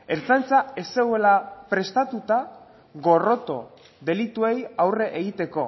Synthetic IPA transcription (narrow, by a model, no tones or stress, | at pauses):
e̞ɾt͡sajnt͡sae̞se̞ɣue̞lapɾe̞st̪at̪ut̪a | ɣo̞ro̞t̪o̞ | ðe̞lit̪ue̞jawre̞ʔeɣit̪e̞ko̞